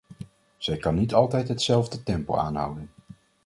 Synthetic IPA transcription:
z̥ɛjkɑnːitɑlˠtɛjtɦətsɛlˠvdətɛmpo̰a̰ːnɦʌ̰wdən

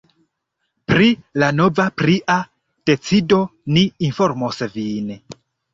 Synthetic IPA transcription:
pɾilano̞vapɾiʔa | d̥e̞t͡sido̞niːnfoɾmosvin

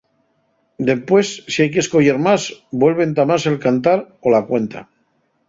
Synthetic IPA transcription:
d̪e̞mpwe̞sːiajk̬esko̞ʝeɾmazbwe̞lβ̞e̞nt̪amãse̞lkant̪aɾ | o̞lakwe̞nt̪a̰

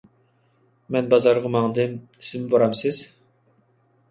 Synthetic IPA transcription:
mɛnbɑzɑɾʁɑmɑŋd̪ɨmi̥sɪmboɾɑmsɪz̥

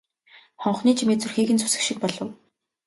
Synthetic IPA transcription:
χɔɴχniːt͡ɕʰimeːt͡sɵrxiːɣɘ̆nt͡sʰu̥sɘ̆kʃɪ̆k̚pɔɮɞ̆w

